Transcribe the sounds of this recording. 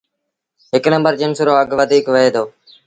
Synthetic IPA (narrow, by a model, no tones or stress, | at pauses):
ɦɪknə̃mbəɾd͡ʒɪnsɾoːəɡʋəd̪ʱiːkʋəɦeːd̪oː